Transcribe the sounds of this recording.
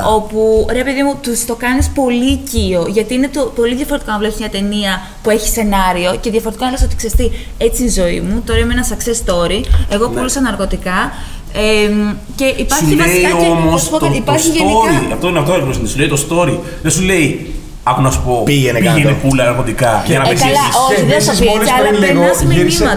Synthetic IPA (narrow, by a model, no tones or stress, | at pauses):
o̞puɾe̞pe̞ðimut̪ust̪o̞kɐnispo̞licio̞ʝɐt̪iine̞t̪opo̞liðʝɐfo̞ɾet̪ikonɐvle̞psimɲɐt̪e̞niɐ | pue̞çi̥se̞nɐɾio̞ce̞ðʝɐfo̞ɾt̪ikonɐvlesot̪iksest̪i | e̞t͡sinzo̞ḭmut̪o̞ɾɐimenɐsɐkse̞st̪o̞ɾie̞ɣo̞pulosɐnɐɾɣo̞t̪ikɐ | e | ce̞ʔipɐɾçuleiomospot̪ipɐɾçsitʝeoɾiɐft̪onɐft̪oposinsuleit̪o̞st̪o̞ɾi | ðesule̞i | ɐxonɐsu̥po̞piʝenpiʝenepulɐnɐɾɣo̞t̪ikɐʝɐnɐpizlɐoiðesɐpieɐlɐeɐsimenimɐt̪ɐ